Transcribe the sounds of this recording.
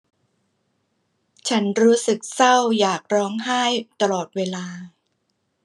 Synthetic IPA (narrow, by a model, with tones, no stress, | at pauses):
t͡ɕʰa˦˥nɾuː˦˥sɯ˨˩k̚sa˥˩wjaː˨˩k̚ɾɔː˦˥ŋɦa˥˩jt̪a˧lɔː˨˩t̪̚weː˧laː˧